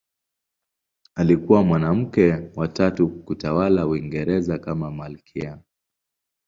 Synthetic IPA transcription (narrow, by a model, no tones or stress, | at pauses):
alikuwamwanam̩kɛwatatukutawalawiŋɡɛɾɛzakamamalkʰia